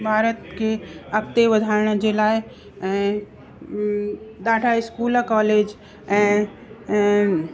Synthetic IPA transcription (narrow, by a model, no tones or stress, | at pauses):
bʱaːɾət̪keɐkt̪eʋəd̪ʱaːɾɳd͡ʒelaːe | ɛ̃ | d̪aːʈʰaɪskuːlkɔːleːd͡ʒ | ɛ̃ː